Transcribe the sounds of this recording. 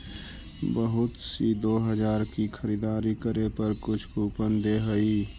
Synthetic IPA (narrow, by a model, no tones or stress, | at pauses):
bəɦʊt̪sid̪oːɦəd͡ʒaːɾkikʰəɾiːd̪aːɾikəɾepəɾkʊt͡ʃʰkuːpənd̪eɦəiː